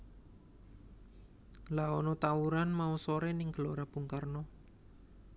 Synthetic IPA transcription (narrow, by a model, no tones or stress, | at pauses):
laɔnɔt̪awuɾanmausoɾɛnɪŋɡ̥əloɾab̥ṳŋkarnɔ